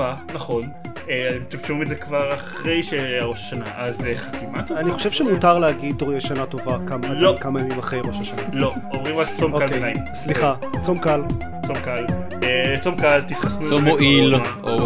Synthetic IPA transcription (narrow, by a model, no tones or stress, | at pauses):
anaχo̞n | eat̪emt̪emʃumizekvaʁaχʁe̞jʃeaʁo̞ʃaʃanaʔazeχatimat̪oaniχo̞ʃe̞v̥ʃemutaʁleaɡid̪ʁoeʃanat̪ovakamalokamamimaχʁe̞jʁo̞ʃaʃanalo | omʁimʁakt͡somoalkenajimsliχa | t͡so̞mkal | t͡somkal | et͡somkalt̪it̪χasnuomoʔilaʔo